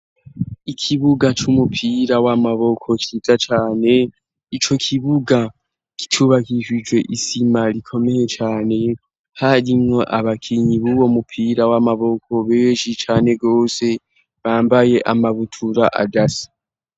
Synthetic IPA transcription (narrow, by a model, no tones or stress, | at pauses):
ikʰiβuɡat͡ʃumupʰiɾawamaβo̞kʰo̞t͡ʃizat͡ʃaːne̞ | it͡ʃo̞kʰiβuɡa | ki̥tʰuβakiʒid͡ʒwe̞ʔisimalikʰo̞me̞he̞t͡ʃaːne̞ | haɾimŋo̞ʔaβakʰiɲiβuwo̞mupʰiːɾawamaβo̞kʰo̞βeʒit͡ʃaːne̞ɡo̞ːse̞ | βaːmbaje̞ʔamaβutʰuɾaʔa̰dasi̥